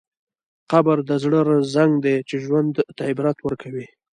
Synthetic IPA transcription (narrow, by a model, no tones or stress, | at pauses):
qabaɾd̪əzɽəɾazzaŋɡd̪et͡ʃeʒwand̪t̪aɪbɾat̪wəɾkʰawi